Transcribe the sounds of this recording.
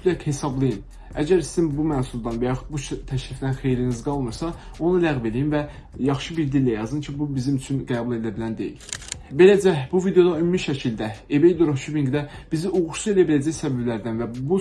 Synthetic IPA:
lækhe̞sɑblˠɯjɯn | æ̰ɟæɾsizimbumænsulˠd̪ɑnvæjɑxud̪̚buʃt̪ʰːæʃɾifd̪ænxe̞jɾinizɡɑlˠmɯɾsɑ | o̞nɯlæɣve̞lijinvæ | jɑχʃɯbiɾd̪ilːæjɑzɯncʰibubizimyt͡ʃʰynɡæːbulˠe̞d̪æbilænd̪e̞̰jḭlbe̞læd͡ʒæbuvid̪e̞jo̞d̪ɑymumiʃæcʰild̪æebejd̪oɾoʃubiŋɡd̪æb̥iziʔuɣuɾʃue̞læbilæd͡ʒæjsæbæblæɾd̪ænvæbu

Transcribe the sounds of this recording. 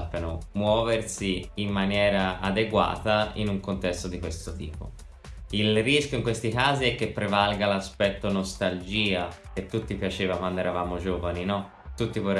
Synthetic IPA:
pːjanomwɔːversiːmːanjɛːɾaʔad̪eɡwa̰ːt̪aḭnuŋkont̪ɛst̪od̪ikwest̪ot̪ḭːpo̰ | ilriskjoiŋkwest̪ikaːziɛkːepːɾevalɡalaspɛt̪ːonost̪ald͡ʒiːak̟et̪ːut̪ːipjat͡ʃeːvakwand̪oɛːɾavaːmod͡ʒoːvaninɔ | t̪ːut̪ːivor

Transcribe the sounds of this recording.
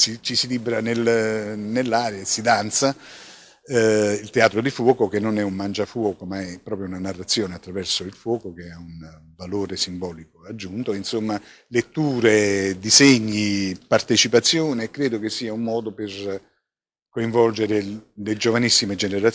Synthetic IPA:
sit͡ʃisilibɾanelnelːaːɾjasid̪ant̪sa | ilt̪eaːt̪ɾod̪ifwɔːkokenːonɛumːand͡ʒafwɔːkomaɛpːɾɔːpɾjounanarːat̪sːjoːneat̪ːɾavɛrsoilfwɔːkok̟eaun | valoːɾesimbɔːlikoad͡ʒːunt̪oinsomːa | let̪ːuːɾed̪iseɲːipart̪et͡ʃipat̪sːjoːneːkːɾeːd̪ok̟esːiːaumːɔːd̪oper | koiɱvɔld͡ʒeɾeled͡ʒovanisːimed͡ʒeneɾa

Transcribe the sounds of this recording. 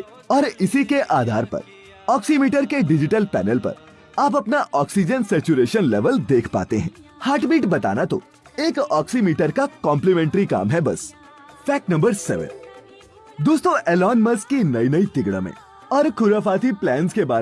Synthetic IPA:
ɔːɾɪsikeʔaːd̪ʱa̰ːɾpɐ̰ɾ | ɔːksimiːʈəɾkeɖɪd͡ʒɪʈəlpɛ̰ːnəlpɐ̰ɾ | aːpɐpnaʔɔːksid͡ʒənsɛːt͡ʃuɾeːʃənlɛʋəld̪eːkʰpa̰ːt̪eɦɛ̰̃ː | haːɾʈbiːʈbɐt̪a̰ːnat̪o̰ | eːkɔːksimiːʈəɾkakɔ̃ːmplimɛ̃ːɳʈɾika̰ːmɦɛbɐ̰s | fɛːk̚nɐ̃mbəɾsɛ̰ːʋə̰̃n | d̪oːst̪õʔɛːlɔːnmɐskːinɐinɐit̪ɪɡɽa̰mḛ̃ | ɔːɾkʰʊɾafaːt̪iplɛːnskebaː

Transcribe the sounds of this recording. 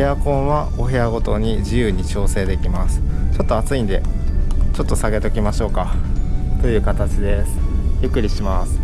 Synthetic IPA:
ejakõ̞ɰ̃βa | o̞ɦe̞aɡo̞t̪o̞ɲ̟iʑijɯ̟ːɲ̟it͡ɕo̞ːse̞ːd̪e̞kʲimasɨ̥t͡ɕo̞t̪ːoat͡sɨĩnd̪e̞̰t͡ɕo̞t̪ːo̞saɡe̞t̪o̞kʲimaɕo̞ːkat̪o̞jɯ̟ːkat̪at͡ɕid̪e̞sɨ̥jɯ̟kːɯ̟ɾʲiɕimasɨ̥

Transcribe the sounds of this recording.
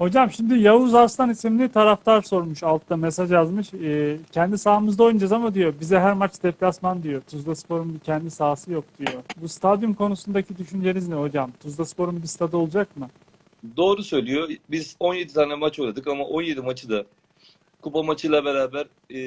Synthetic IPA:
ho̞d͡ʒamʃimd̪ijavuzast̪ʰanisimlʲit̪ʰaɾaft̪ʰaɾso̞ɾmuʃalˠt̪ʰd̪amesaʒjazmɯʃɛːcʰɛnd̪isaːɯmɯzd̪ao̞jund͡ʒazamad̪ijo̞bizɛɦæɾmat͡ʃd̪ɛplʲasmand̪ijo̞t̪ʰuzd̪aspʰo̞ɾumbicʰɛnd̪isaːsɯjo̞k̚d̪̥ijo̞bust̪ʰad̪jumkʰo̞nusund̪acʰid̪yʃynd͡ʒe̞nizmɛho̞d͡ʒamt̪ʰuzd̪aspʰo̞ɾumbist̪ʰad̪o̞lˠud͡ʒakmɯ | d̪o̞ːɾusø̞jlʲijobizo̞nje̞d̪it̪ʰaːnɛmat͡ʃʰojlˠad̪ɯkamaʔo̞nje̞d̪imat͡ʃʰɯd̪a | kʰupamat͡ʃʰɯjlˠabeɾaːbæɾ

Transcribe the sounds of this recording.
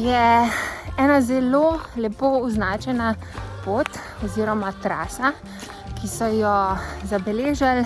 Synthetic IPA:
jɛ | ɛːnazɛlolɛpouznaːt͡ʃɛna | poːt̪ | ɔziːɾɔmat̪ɾaːsa | kisɔjɔzabɛleːʒal

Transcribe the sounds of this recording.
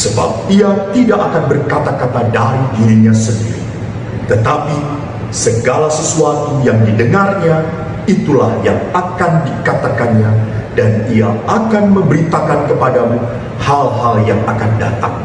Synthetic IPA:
səba̰p̚iat̪idaʔakanbərkat̪akat̪adaɾidiɾiɲasəndiɾḭ | t̪ət̪api | səɡalasəsuat̪ujaŋdidəŋarɲa | it̪ulahja̰ŋakandikat̪akanɲadaniaakanmə̃mbəɾit̪akankəpadamu | halhaljaŋakanda̰t̪a̰ŋ

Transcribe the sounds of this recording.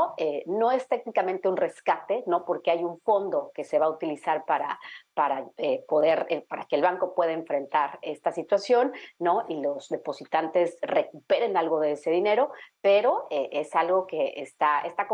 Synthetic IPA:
eno̞e̞st̪e̞ɣnikamẽnt̪eunre̞skat̪e̞no̞po̞ɾke̞ajuɱfo̞nd̪o̞ke̞se̞βaut̪ilisaɾpaɾapaɾaepo̞ðe̞ɾepaɾakeːlβaŋko̞pwe̞ð̞aeɱfɾe̞nt̪aɾe̞st̪asit̪wasjo̞nːo̞ʔilo̞z̥ðe̞po̞sit̪ant̪e̞sre̞kupe̞ɾe̞nalɣo̞ðe̞ese̞ðine̞ɾo̞pe̞ɾoeʔesalɣo̞ke̞ʔest̪aḛst̪ak

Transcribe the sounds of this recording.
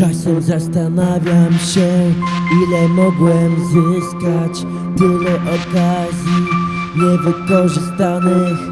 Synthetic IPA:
t͡ʂasɛmzast̪anavʲjamɕɛilɛmɔɡwɛmzɪskat͡ɕ | t̪ɘlɛʔɔkazʲji | ɲɛvɘkɔʐɘst̪anɘx

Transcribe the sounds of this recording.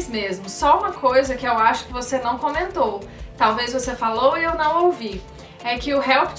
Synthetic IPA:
zmezmʊsɔũmɐkojzɐkɪewaʃʊ̥kɪvosenɐ̃w̃kõmẽnt̪owt̪awvezvosefalowɪewnɐ̃w̃owvi | ɛkɪʊɦɛwpɪ̥

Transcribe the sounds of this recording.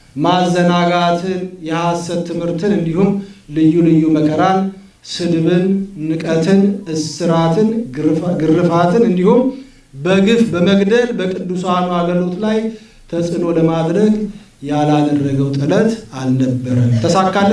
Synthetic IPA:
mazːənaɡat̪ʰɨnjɛhasːət̪ʰːɨmhɨɾt̪ʰɨnɨnd̪ihumlɨjːulɨjːuməkʰəɾan | sɨd̪βɨnːɨkʼət̪ʰɨnɨsɨɾat̪ʰɨnɡɨrːɨfat̪ʰɨnɨnd̪ihum | bəɡɨfbəməɡd̪əlbəkʼɨd̪ːusanuaɡəlo̞t̪laj | t̪ʰəsʼɨno̞ləmad̪ɾəɡ | jalad̪ərːəɡəwt̪ʼɨlət̪alnəbːəɾəmt̪ʰəsakːal

